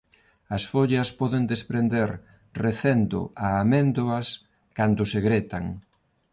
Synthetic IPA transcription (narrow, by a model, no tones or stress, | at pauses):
ɐsfoʎɐspɔðend̪espɾend̪eɾ | reθend̪ʊ̰aːmend̪oɐs | kand̪ʊseɣɾet̪aŋ